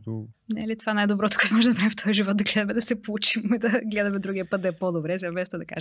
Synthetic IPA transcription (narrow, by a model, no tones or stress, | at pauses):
nɛ̰lit̪ovanajd̪obɾɔt̪o̥kɔɛt̪omɔʒɛd̪ɐpɾavift̪ɔjiʒivɔt̪̚d̪ɐɡlɛd̪ɐmɛd̪ɐsɛpout͡ʃimɛd̪ɐɡlɛd̪ɐmɛd̪ɾuɡʲiɐpət̪̚d̪ɐɛpod̪obɾɛzɛmɛst̪ɛd̪ɐka̰ʒ